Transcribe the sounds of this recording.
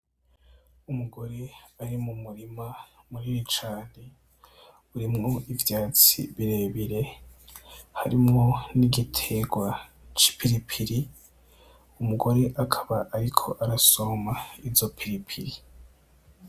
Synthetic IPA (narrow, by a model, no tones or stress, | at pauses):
umuɡo̞ɾe̞aɾimumuɾimamuɾiɾit͡ʃaːne | uɾimŋo̞ivjaːt͡sḭβiɾe̞ːβiɾe̞ | haɾimŋo̞niɡitʰe̞ɡwa | t͡ʃi̥pʰiɾipʰiɾi | umuɡo̞ɾe̞ʔakʰaβaʔaɾikʰo̞ʔaɾaso̞maizo̞pʰiɾipʰiɾi